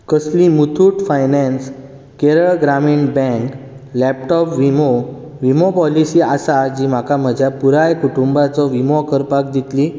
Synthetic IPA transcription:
kəslimut̪ʰuʈfajnɛ̃ns | keɾəɭɡɾamiːɳbɛ̃ŋk | lɛp̚ʈɔpʋimo | ʋimopɔlisiasad͡ʑiːm̤akam̤əd͡ʑʱjapuɾajkuʈumbat͡sɔʋimɔkəɾpak̚d̪it̪li

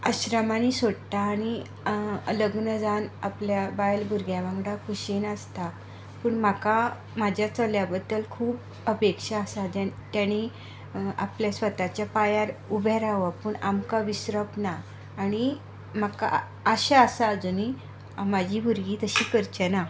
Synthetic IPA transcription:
əɕɾəmanisoɽt̪aːɽ̃i | ələɡnəd͡zana̰pljabajlbʱuɾɡjaʋãŋɡɽakʰuɕenəst̪a | pəːɳm̤aka | mad͡ʑʱjat͡səljabəd̪ːəlkʰuːp | əpekʂaəsad̪at̪jañi | a̰pljasʋət̪at͡ɕjapajaɾubʱɛɾaʋapəɳamkaʋisɾəpnaː | ɽ̃i | m̤aka̰ | əɕaəsaːd͡zuni | mad͡ʑʱiːbʱuɾɡiːt̪əɕiːkəɾt͡ɕena

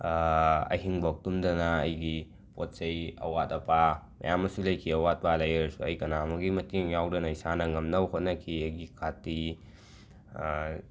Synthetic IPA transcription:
ɐ̰ɦiŋbɐk̚tumdɐnɐːjɡi | pʰot̚sɐjɐ̰watɐpʰamɐ̰jamɐsulɐjkʰiɐwat̚palɐjɐɾsuɐjkɐnamɐɡimɐtiŋjawdɐnɐisanɐŋɐmnɐwhot̚nɐkʰiɐjɡikʰatːi

